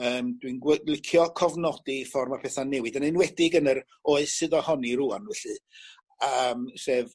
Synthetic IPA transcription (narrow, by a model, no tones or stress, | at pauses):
əːmdwinwɛlˠɪkʰjɔkʰɔvnɔdifɔrmapʰɛθanɛwɨdanɨnwɛdɪɡənəɾ | oːɨsɨðɔhɔniɾuanvɛɬɨ | əmseːv